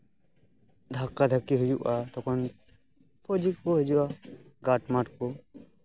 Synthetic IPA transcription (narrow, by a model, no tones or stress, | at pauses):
d̪ʱakːad̪ʱɐkːiɦud͡ʒuʔat̪ɔkɔn | pʰod͡ʒikːoɦed͡ʒuaɡaːʈmaʈko